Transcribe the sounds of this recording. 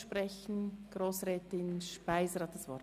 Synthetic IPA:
ʃpɾɛçn̩ɡ̥ɾoːsrɛːtɪnʃpaɪzəɾhɑt̚d̥ɑsvɔ̰ɾ

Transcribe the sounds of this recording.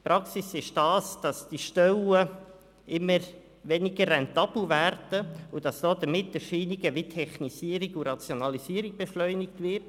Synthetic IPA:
pɾɑksisɪʃd̥ɑːsd̥ɑsd̥iʃtœlə | ʔɪmːəɾ | ʋɛnɪɡəɾrɛntɑb̥l̩væɾdəʊd̥ɑsd̥oːdəmɪtːəʃiːniɡəʋitʰɛχnisiːəɾiɡuɾɑt͡sjonɑlisiːəɾɪk̚b̥ɛʃlœʏnɪktvɪɾt

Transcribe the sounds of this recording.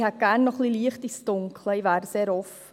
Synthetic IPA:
hɛt̚ɡ̥æːnːɔχliliəχtisd̥ʊŋkʰləiʋvæːɾseːɾɔfə

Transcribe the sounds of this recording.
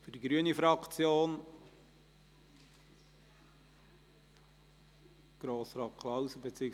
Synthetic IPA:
fyd̥iɡɾyənifɾɑkt͡sjoːn | ɡ̥ɾoːsɾɑːt̚kʰlɑwsəbet͡siːɪk

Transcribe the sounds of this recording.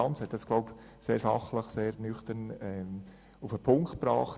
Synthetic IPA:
ɑnt͡shɛt̪̚d̥ɑsɡ̥loʊp | seːɾsɑχləχseːɾnʏχt̪ənɛm | ufəpʰʊŋktb̥ɾɑ̰ːχt

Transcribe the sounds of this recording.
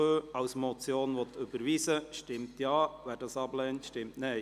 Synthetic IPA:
øːɑʊsmɔt͡sjoːnʋɔt̪ʰʏb̥əɾʋiːsəʃtɪmtjɑːʋæːɾd̥ɑːsɑblɛːntʃtɪmtnɛɪ

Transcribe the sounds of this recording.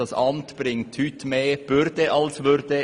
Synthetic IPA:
ɑsʔɑmtb̥ɾɪŋthytmeːb̥ʏɾdəʔɑlsʋʏɾd̥ə

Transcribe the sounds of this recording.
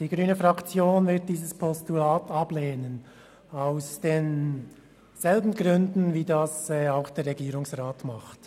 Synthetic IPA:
d̥iːɡʁyːnəfʁɑkt͡sjoːnvɪɐt̚d̥iːzəspʰɔstulaːtɑb̥leːnən | aʊsd̥eːn | z̥ɛlbn̩ɡʁʏndn̩viːdɑsɛːaʊxd̥eːɾrʁɛɡiːɾʊŋsʁaːtmɑχt

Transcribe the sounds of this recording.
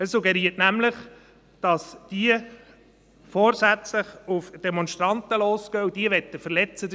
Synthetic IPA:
əsːuɡɛɾiətnæmləχ | d̥ɑsd̥iə | foːɾsæt͡sləχufd̥ɛmɔnʃt̪ɾɑnt̪əloːskɡ̥œwd̥iəʋɛt̪ːəfəɾlɛt͡səd

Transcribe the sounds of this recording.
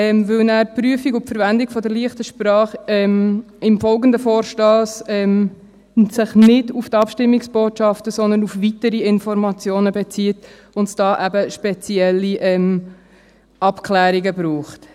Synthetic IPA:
ɛmvɪlnæːɾpɾyəfiɡʊfəɾvændɪkfɔdəɾliəχtəʃpɾɑːχɛm | ɪmfɔlɡəndəfɔːɾʃtɑːsɛm | sɪχnɪduftɑpʃtɪmːiksb̥oːtʃɑftəsɔnd̪ənufvitəɾiɪnfɔɾmɑt͡sjoːnəbɛt͡siːt | ʊntd̥ɑːʔæbəʃpɛt͡siɛlːiʔɛm | ʔɑpklæːɾiɡəbɾuːχt

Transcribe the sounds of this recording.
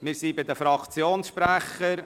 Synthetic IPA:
mɪːɾsibɪd̪əfɾɑkt͡sjoːnsʃpɾæχəɾ

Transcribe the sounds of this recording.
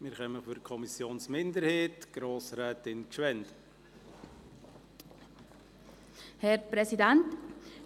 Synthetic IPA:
mɪːɾχɛməfyɾkʰɔmisjoːnsmɪndəɾheːtɡ̥ɾoːsɾɛːtɪnkʃʋɛnd | hɛɾpɾɛsidɛnt

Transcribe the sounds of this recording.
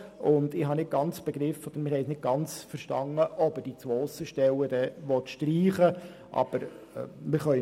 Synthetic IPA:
ʊndɪhɑnɪt̚ɡ̥ɑnt͡sb̥ɛɡɾɪfɔd̥̪əɾmɪhɛɪsnɪd̚ɡ̥ɑnt͡sfəɾʃtɑŋəʔɔb̥əd̥it͡sʋoːsəʃtɛlːədɛʋɔt̪ʃtriːχə | ʔɑ̰b̥əɾ | mɪχœʏ

